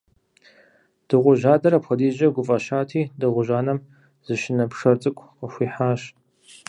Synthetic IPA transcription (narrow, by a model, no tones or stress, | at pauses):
d̥ɨʁʷʊʒaːdɐɾɐpxʷɐdiːʒɐɡʷʊfʼɐʃaːtʰiːdɨʁʷʊʒaːnɐm | z̥ɨʃɪnɐpʂɐrt͡sʼɨkʷʰʼqəxʷiːħaːɕ